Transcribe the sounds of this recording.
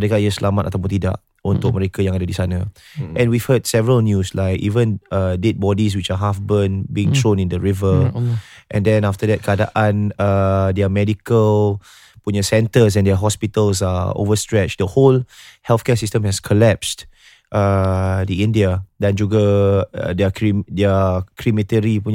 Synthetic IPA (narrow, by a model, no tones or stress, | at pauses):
məɾekajəsəlʔamata̰t̪apot̪ida̰ʔ | ɔ̃nt̪ʊk̚məɹekəjãŋadədisanə | ʔɛ̃nwivhədsɛvəɹəlnjuslaɪkḭvə̃nədet̚bɔdis̬wit͡ʃaɦafbə̃nbiĩŋtʰɹõnĩndəɹivə | ʔɛ̃ndɛ̃naftədɛt̚kʰada̰ʔãnədeamɛdikəl | puɲəsɛ̃ntəs̬ɛ̃ndɛəɦɔspitəlsao̰vəstɹɛt͡ʃdəholhɛlfkɛsistə̃mhɛskʰɔlɛpst | ʔədiĩndiadãnd͡ʒuɡə̰ | dɛəkideəkʰɹimitəɹipu